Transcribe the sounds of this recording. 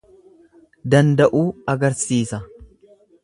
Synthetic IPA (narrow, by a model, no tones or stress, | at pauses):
d̪ɐnd̪ɐʔuːɐɡɐɾsiːsɐ